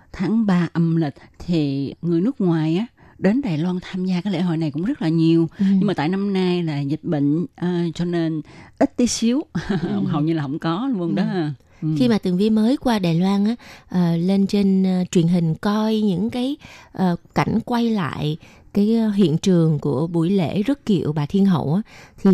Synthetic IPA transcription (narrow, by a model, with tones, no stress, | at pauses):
t̪ʰaː˨˦ŋɓaː˧ʔə˧mlï˨˩k̟̚t̪ʰi˨˩ŋɨ˨˩jnɨ˦˥ək̚ŋwaː˨˩jʔaː˨˦ | ɗe˨˦nɗaː˨˩jlwaː˧nt̪ʰaː˧mzaː˧kaː˨˦jlḛ˧˥˩ɦo̰˧˨jna˨˩jkʊ̰˧˥ŋ͡mzə˦˥t̚laː˨˩ɲi˨˩əwɲ˧ŋmaː˨˩t̪a̰ː˧˨jna˧mna˧jlaː˨˩zï˨˩t̚ɓə̰˧˨ŋ̟ə˨˩t͡ɕɔ˧ne˧nʔi˦˥t̚t̪i˨˦si˨˦əwə˧˩wŋ͡mɦə˨˩wɲɨ˧laː˨˩hə̰˧˥ŋ͡mkɔ˨˦lə˧ŋɗɔ˨˦˧ | xi˧maː˨˩t̪ɨ˨˩əŋvi˧ənməː˨˦jkwaː˧ɗaː˨˩jlwaː˧nʔaː˨˦˥ʔəː˨˩le˧nt͡ɕe˧nː˨t͡ɕwi˨˩ənɦï˨˩ŋ̟kɔ˧jɲɨ̰˧˥ŋkaː˨˦jʔəː˨˩ka˧˩jŋ̟kwa˧jla̰ː˧˨j | kaː˨˦jɦḭ˧˨ənt͡ɕɨ˨˩əŋku˧˩əɓu˧˩jlḛ˧˥zə˦˥t̚kḭ˧˨əwɓaː˨˩t̪ʰi˧ənɦə̰˧˨wʔaː˨˦t̪ʰi˨˩